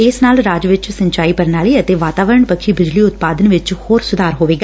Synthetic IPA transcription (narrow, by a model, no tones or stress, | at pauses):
ɪːsnaːlɾaːd͡ʒʋɪt͡ʃsə̃ɲt͡ʃaːiːpəɾnaːliːət̪eːʋaːt̪aːʋəɾəɳpəkʰiːbɪd͡ʒliːʊt̪paːd̪ənʋɪt͡ʃhoːɾsʊd̪ʱaːɾɦoːʋeːɡaː